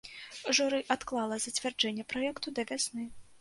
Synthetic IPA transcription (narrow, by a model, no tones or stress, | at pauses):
ʐuɾɨʔat̪klˠalˠɐzɐt͡sʲvʲard͡ʐɛnʲːɛpɾɔjɛkt̪ud̪ɐvʲasnɨ